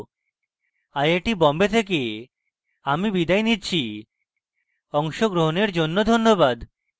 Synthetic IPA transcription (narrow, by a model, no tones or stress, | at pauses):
ajeʈibɔmbet̪ʰek̬e | amibid̪ajnitːɕʰi | ɔŋʃoɡɾoɦoneɾd͡ʑonːod̪ʱonːobad̪